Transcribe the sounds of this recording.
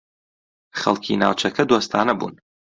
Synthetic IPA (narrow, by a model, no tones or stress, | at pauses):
χɐlkʲʰina̰wt͡ʃʷʰakʲʰɐdwastʰaːnabṵn